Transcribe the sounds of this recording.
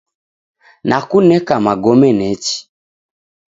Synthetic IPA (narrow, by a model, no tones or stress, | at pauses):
nʔakunɛkamaɡɔmɛnɛt͡ʃi̥